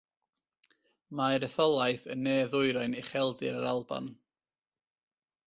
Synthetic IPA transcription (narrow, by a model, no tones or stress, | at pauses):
maɾəθɔlˠajθənːeːðʊɨɾajnɛχɛlˠdɪɾəɾalˠba̰n